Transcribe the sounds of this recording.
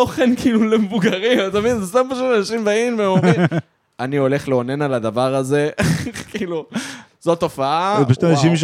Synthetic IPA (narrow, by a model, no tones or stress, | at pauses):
oχenkiilulemevuɡaʁimat̪aminzest̪ampaʃ̬utanaʃimbainveemovin | anio̞le̞χleone̞nalad̪avaʁaze̞kiːlu | z̥ot̪o̞faapaʃu̥tanaʃ̬imʃ